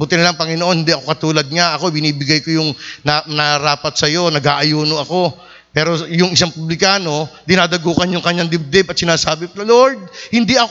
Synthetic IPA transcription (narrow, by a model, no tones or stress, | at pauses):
bʊt̪ɪnlɐŋpɐŋɪnoʔo̞nhɪnd̪iʔɐko̞kɐt̪uːlɐd̪̚ŋaʔɐko̞bɪniːbɪɡajko̞jʊŋnanɐɐɾaːpɐt̪sɐjo̞nɐɡaːʔɐjuːnoʔɐko̞ | pɛːɾo̞jʊŋɪs̬aŋpʊblɪkaːno̞d̪ɪnaːd̪ɐɡuːkɐnjʊŋkɐɲːaŋd̪ɪb̚d̪ɪbɐt̪̚sɪnaːsaːbɪloɾd̪̚hɪnd̪iʔɐ